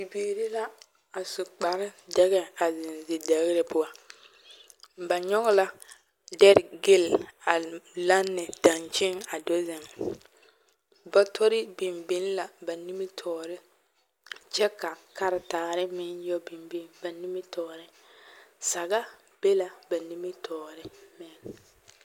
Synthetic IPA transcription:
bi˨biː˨ɾɪ˦la˦ | a˨su˨k͡pa˨ɾɪ˦dɛ˦ɣɛ˦a˨zɪ˨nzɪ˨dɛ˨ɣɪ˦ɾɪ˨pʊ˦a˦ | ba˨ɲɔ˦ɣɔ˦la˦ | dɛ˦ɾɡɪ˦˨la˨la˦nːɪ˨da˨nt͡ʃɪ˦ŋa˨do˦zɪ˨ŋ | ba˦tʰo˦ɾɪ˦bɪ˨mbɪ˦n˦la˨ba˨ni˦mi˦tʰɔː˨ɾɪ˦ | t͡ʃɛ˦ka˨ka˦ɾɪ˨taː˨ɾɪ˦mɪ˦njɔ˦bi˨mbi˦nba˨ni˦mɪ˦tɔː˨ɾɪ˦ | sa˨ɡa˦ | b̥e˦la˨ba˨ni˦mi˦tʰɔː˨ɾɪ˦mɪ˦n

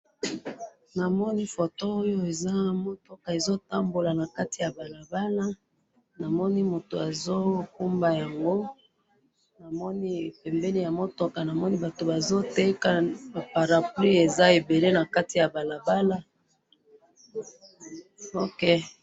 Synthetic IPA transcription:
na˨mɔ˦ni˦fo˨toː˦jo˦e˨za˦mo˦tɔ˦ka˨e˨zo˦ta˦mbo˨la˨na˨ka˦ti˨ja˨ba˨la˨ba˦la˦ | na˨mɔ˦ni˦mo˨to˨a˨zo˦ku˦mba˨ja˨ŋɡo˦ | na˨mɔ˦ni˦˨pɛ˨mbɛ˦li˦ja˨mo˦tɔ˨ka˨na˨mɔ˦ni˦ba˨to˨ba˨zo˦te˦ka˦˨ba˨pa˨ʁa˨pli˦e˨za˦e˨be˨le˦na˨ka˦ti˨ja˨ba˨la˨ba˦la˦ | o˦ke˦

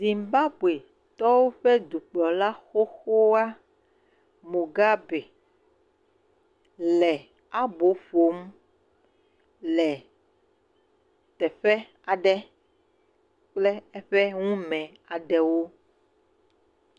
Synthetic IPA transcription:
zi˨mba˦bu˨e˨ | t̪ɔ˦wo˦ɸɛ˦d̪u˨k͡plɔ˨la˦xo˦xo˦a˦ | mõ˨ɡa˦bɛ˨ | lɛ˨ | a˦bo˨˦fo˨˦m | lɛ˨ | t̪ɛ˨ɸɛ˦ | a˨ɖɛ˦ | k͡plɛ˦ɛ˦ɸɛ˦ŋũ˦mɛ̃˨ | a˨ɖɛ˨wo˦

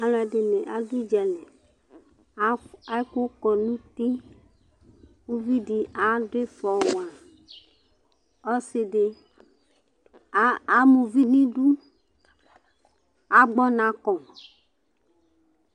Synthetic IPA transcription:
a˨la˨ɖe˨nẽ˨ʔa˨du˦d͡ʒɛ˨lẽ˨˦ | a˦ko˦kɔ˨nũ˦t̪i˦ | wu˦vi˦di˨ʔa˨de˦fɔ˨wa˨ | ɔ˦se˨ɖe˨˦ | a˨˦mũ˨vi˦nĩ˦ɖu˦ | a˨ɡ͡bɔ˦nã˨˦kɔ˨

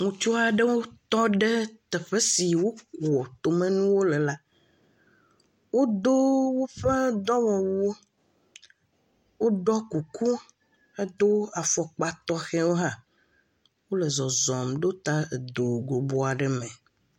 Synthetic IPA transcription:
ŋũ˨t͡ʃu˦a˨ɖɛ˦wo˦t̪ɔ˦ɖɛ˦t̪ɛ˨ɸe˦si˨wo˦ku˨ɔ˨t̪o˨mẽ˦nũ˦wo˦lɛ˨la˦ | wo˦d̪o˦wo˦ɸe˦d̪ɔ˦wɔ˨wu˦o˦ | wo˦ɖɔ˦ku˨ku˦ | e˦d̪o˦a˨fɔ˨k͡pa˦t̪ɔ˦xɛ˦wo˦ɦã˦ | wo˦lɛ˨zɔ˨zɔ˨mɖo˦t̪a˦e˨d̪o˨ɡo˨bo˦a˨ɖɛ˦mɛ̃˨

